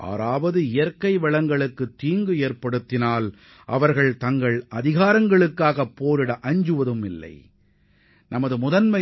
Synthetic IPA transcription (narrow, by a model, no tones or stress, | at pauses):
ʔa̰ːɾaːʋɐðɯɪjɐɾkːɐɪʋɐɭɐŋɡɐɭɯkːɯt̪ːiːŋɡɯeːɾpɐɽɯt̪ːɪnaːl | ʔɐ̰ʋɐɾɣɐɭt̪ɐŋɡɐɭɐðɪɣaːɾɐŋɡɐɭɯkːaːɣɐpːoːɾɪɽɐʔɐɲd͡ʒɯʋɐðɯmɪlːɐ̰ɪ | nʔɐmɐðɯmʊðɐnmɐ